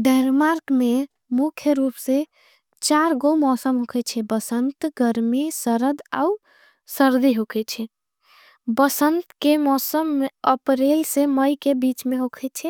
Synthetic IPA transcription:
ɖɛnmaɾkme | mukʰjəɾupse | t͡ʃaɾɡomɔsəmɦokʰɛt͡ʃʰɛbəsənt̪ɡəɾmisəɾəd̪a̰u | səɾd̪iɦokʰɛt͡ʃʰɛ | bəsənt̪kemɔsəmːeəpɾelseməjkebit͡ʃmeɦokʰɛt͡ʃʰɛ

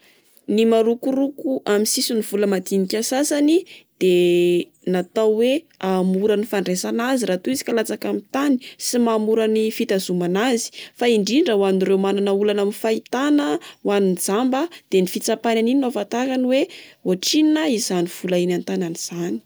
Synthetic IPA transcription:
nimaɾukuɾukuʔamisisuniv̥uləmat̪inikʲasasanid̪̥e | nat̪awwe | amuɾanifaɳɖ͡ʐesanaziɾat̪uizi̥kalat͡sakamit̪ani̥simamuɾanifit̪azumanazi̥faiɳɖ͡ʐiɳɖ͡ʐəwanirewmananəulanamifait̪anəwaninid͡zambəd̪̥enifit͡sapananininavat̪akaniweoʈ͡ʂininaizaniv̥ulainant̪ananiz̥ani̥

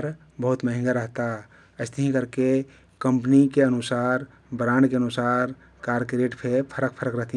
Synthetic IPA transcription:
ɾ | bəɦut̪məɦɪ̃ŋɡaɾəɦt̪a | əɪst̪əɦĩkəɾke | kə̃mpnikeənʊsaːɾ | bɾaːnkeənusaːɾ | kaːɾkɾeːʈpʰepʰəɾək̚pʰəɾəkɾəɦt̪i

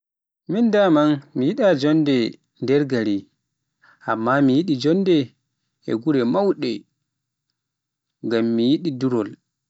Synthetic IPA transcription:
mindamanmijiɗad͡ʒɔndɛ | ndɛɾɡaɾi | ʔa̰mːamijiɗid͡ʒɔndɛ | ɛ̰ɡuɾɛmawɗɛ | ŋɡamːijiɗiduɾɔl

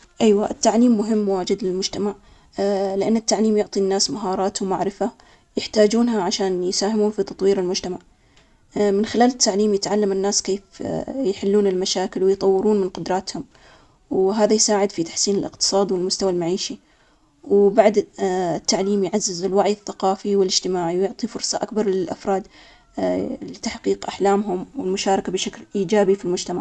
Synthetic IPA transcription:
ʔajwaʔɪt̪ːaʕliːmːʊɦɪmːwaːd͡ʒɪd̪lɪlmʊd͡ʒt̪amaʕ | lɪʔanːɪt̪ːaʕliːmjʊʕt̪ˤinːaːsmaɦɑːɾˤɑːt̪wmaʕɾɪfa | jɪħt̪aːd͡ʒuːnɦaʕaʃaːnjsaːhɪmuːnfit̪ɑt̪ˤwiːɾɪlmʊd͡ʒt̪amaʕ | mɪnxɪlaːlɪt̪ːaʕliːmjɪt̪ʕalːamɪnːaːskeːfjħɪlːuːnɪlmaʃaːkɪlwɪjt̪ˤɑwːɪɾuːnmɪnqʊd̪ɾˤɑːt̪hʊm | wɦaːðajsaːʕɪd̪fit̪ḁħsiːnɪlʔɪqt̪ɨ̥sˤɑːd̪iwɪlmʊst̪awalmaʕiːʃi | wbaʕd̪ɪt̪ːaʕliːmjʕazːɪzɪlwaʕjɪθːaqɑːfiwɪlɪd͡ʒt̪ɪmaːʕiwjʊʕt̪ˤifʊɾsˤɑʔakbɑɾˤlɪlʔa̰fɾˤɑːd̪ | lɪt̪aħqiːqʔaħlaːmɦʊmwɪlmʊʃaːɾˤɑkabɪʃaklʔiːd͡ʒaːbifilmʊd͡ʒt̪amaʕ

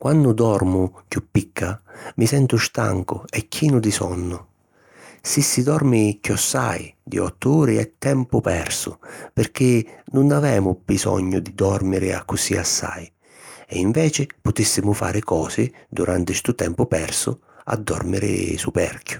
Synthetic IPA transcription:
kwʔanːʊd̪ɔɾmʊkjupːikʰːamisɛnt̪ʊʃt̪a̰ŋkʊɛkːiːnʊd̪isɔnːʊ | sisːid̪ɔɾmikjɔsːa̰jd̪ḭɔ̰t̪ːʊuːɾɪɛt̪ːɛmpʊpɛ̰rsʊpɪrk̟ɪnʊnavɛːmʊbisɔ̰ɲːʊd̪id̪ɔrmɪɾɪa̰kːʊsiasːa̰j | ɛiɱvɛːt͡ʃɪpʊt̪isːɪmʊfa̰ːɾɪkɔːsɪd̪uɾʔant̪ɪst̪ut̪ɛmpʊpɛrsʊ | a̰d̪ːɔ̰rmɪɾɪ̰supɛ̰rkjʊ̥

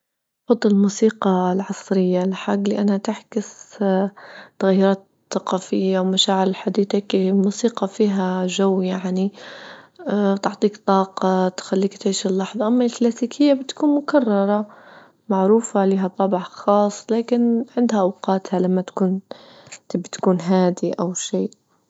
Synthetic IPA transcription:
fɑd̪ˤːɪllmuːsiːqɑlʕɑsˤɾɪjːalħaɡːliʔanhat̪aħkɪs | t̪aɣajːʊɾˤɑːt̪ | θɑqɑːfɪjːawmaʃaːʕɪɾɪlħad̪iːt̪akmuːsiːqɑfiːɦaʒawːjaʕni | t̪ɪʕt̪ˤiːkt̪ˤɑːqɑt̪xalːiːkt̪ʕiːʃɪlːɑħðˤɑʔamːalklaːsiːkʰɪjːabɪt̪kuːnmʊkɑrˤːɑɾˤɑ | maʕɾuːfaliːɦat̪ˤːɑbʕxɑːsˤːlaːkɪnʕɪnd̪haʔawqɑːt̪halamːat̪ḁkuːn | t̪ɪbt̪kuːnɦaːd̪iʔawʃeːʔ

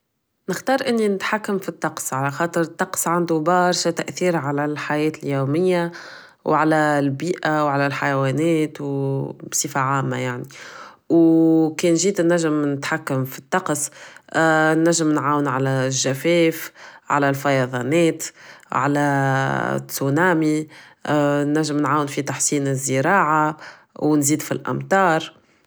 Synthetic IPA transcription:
nɪxt̪ɑːɾˤʔɪnːinɪt̪ħakːamfit̪ˤːɑqsˤʕalæxɑːt̪ˤəɾt̪ˤːɑqsˤʕand̪ubɑɾˤʃat̪æʔθiːɾʕalælħajɛːt̪ɪljuːmɪjːa | wʕalælbiːʔawʕalælħajwɛːnɛːt̪wbsˤifaʕaːmːa̰jaʕni | wkɛːnʒiːd̪nːæʒəmnɪt̪ħakːamfi̥t̪ːɑqs | nːæʒːɪmnʕaːwənʕalæʒːæfɛːfʕa̰lælfɑjɑðˤɑnɛːt̪ʕalæ̰ | t̪ːunaːmi | nːæʒːəmnʕaːwənfit̪aħsiːnɪzːəɾɑːʕa | wnziːd̪filʔa̰mt̪ˤɑːɾˤ

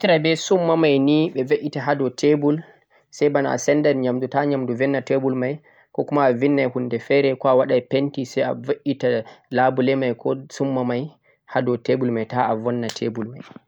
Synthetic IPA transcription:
tiɾabɛsumːamajniɓɛveʔitaɦadɔtʰebul | sɛjbanaa̰sɛndanɲamdutaɲamduvɛnːatebulmaj | kɔkumaːvinːajhundɛfɛɾɛkɔawaɗajpentisɛja̰vaʔitalabulɛmajkɔsumːamaj | hadɔtebulmajtaavɔnːatʰebulmaj

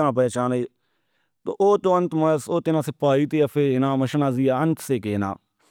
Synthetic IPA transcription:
nãːp̬ɛːt͡ʃaːneː | t̪o̰ːʔoːt̪õːənt̪məsoːt̪ɪnaːsɪpaːiːt̪eːəpʰeːɪnãːməʃnãːziːaːənt̪seːkeːna̰ː

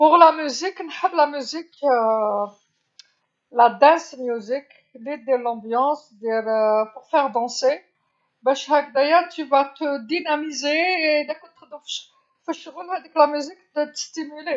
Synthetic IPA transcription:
puʁlamyziknħəblamyzik | lad̪ɛ̃smjyzik | lid̪elɑ̃bjɑ̃sd̪eləpuʁfɛʁd̪ɑ̃se | bɛʃʁak̚d̪ajat̪yvat̪əd̪inamizeːd̪ɛkɔt̪χd̪ɔ̃fʃ | fəʃʁəlad̪ɛklamyzikd̪ət̪ə̥st̪imyle

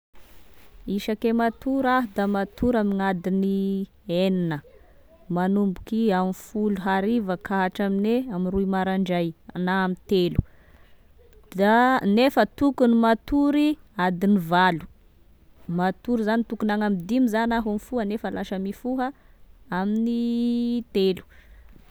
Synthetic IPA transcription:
iʃakemat̪uɾaɦud̪amat̪uɾaminad̪ini | eninə | manumbukiamifuluɦaɾivəkʰaɦaʈ͡ʂamineaminruimaɾaɳɖ͡ʐajanaːmit̪elu̥ | d̪anefət̪ukunimat̪uɾi | ad̪inivalu̥ | mat̪uɾizanit̪ukunaŋamid̪imizanaɦumifuɦənefəlaʃəmifuɦəaminit̪elu̥

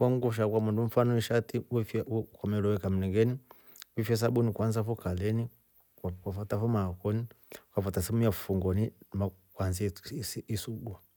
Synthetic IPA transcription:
kwaŋɡuʃ̬akwamundum̩fanɔiʃatiwifkamɛlɔwɛkam̩nɛŋɡɛni | wifɛs̬aɓunikwanzafukalɛni | kafatafumakɔnikafatasimujafufuŋɡɔnimakwanzsisuɡwa

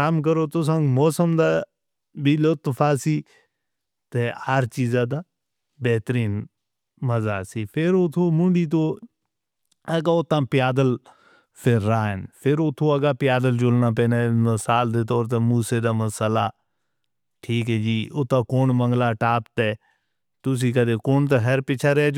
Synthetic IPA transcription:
kaːmk̬əɾoːt̪ʊs̬ãŋɡmɔːsəmd̪aː | biːlot̪fʰaːsiː | t̪eːhəɾt͡ʃiːzaːd̪aː | bɛːt̪əɾiːn | məzaːsiːpʰɪɾʊt̪ʰoːmʊɳɖiːt̪̬oː | əɡaʊt̪ãːpjaːd̪əl | pʰɪɾːaːɪnpʰɪɾot̪ʰːoːɐɡaːpɪjaːd̪əld͡ʒʊlnaːp̬ẽːnaːməsaːld̪eːt̪ɔːɾt̪emuːseːd̪aːməsəlaː | ʈʰiːkɦɛːd͡ʒiːʊt̪ãːkoːnməŋɡlaːʈaːpt̪ɛː | t̪ʊs̬iːkəd̪eːkoːnt̪̬eɦəɾpɪt͡ʃʰaɾɛː

